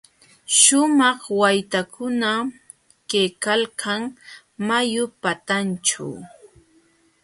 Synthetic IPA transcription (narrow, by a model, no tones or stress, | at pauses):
ʃʊmɑχwajt̪akʰʊna | kejkalkʰɑŋ | majʊpat̪ant͡ʃa̰w